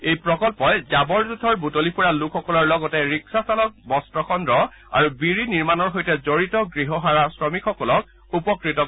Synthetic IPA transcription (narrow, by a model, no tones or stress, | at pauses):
ejpɹɔkɔlpɔjzabɔɹzudʱɔɹbutolipuɹalukʰːɔkɔlɔɹlɔɡɔtɛɹiksasalɔk̚bɔstɹɔkʰɔndɹɔ | a̰ɹubiɹiniɹmanɔɹɦojtɛzoɹitɔɡɹiɦɔɦaɹasɹɔmikxɔkɔlɔk̚ | upɔkɹitɔ